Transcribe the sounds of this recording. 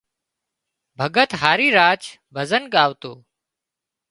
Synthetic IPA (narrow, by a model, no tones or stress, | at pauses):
bʱəɠət̪ɦaːɾiːɾaːt͡ʃ | bʱəzənɠaːʋt̪oː